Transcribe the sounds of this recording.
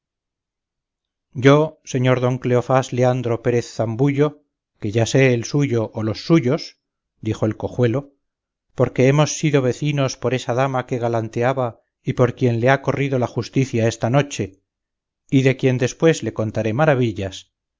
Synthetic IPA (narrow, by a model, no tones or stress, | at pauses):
ɟ͡ʝo̞se̞ɲo̞ɾðo̞ŋkleofasleand̪ɾo̞pe̞ɾe̞θːambuʝo̞ | ke̞ʝase̞ːlsuʝo̞ʔːlo̞sːuʝo̞s | d̪ixo̞elko̞xwe̞lo̞ | po̞ɾke̞emo̞sːiðo̞β̞e̞θino̞spo̞ɾe̞saðamake̞ɣalant̪eaβa | ipo̞ɾkje̞nleako̞riðo̞laχust̪iθjae̞st̪ano̞t͡ʃe̞ | iðe̞kje̞nd̪e̞spwe̞zle̞ko̞nt̪aɾe̞maɾaβiʎas